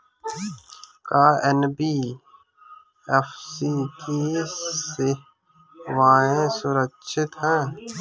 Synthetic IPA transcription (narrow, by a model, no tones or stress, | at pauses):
kaːɛnbiː | ɛfsikisɪ | waːẽːsʊɾəkʃʰɪt̪ɦɛ̃ː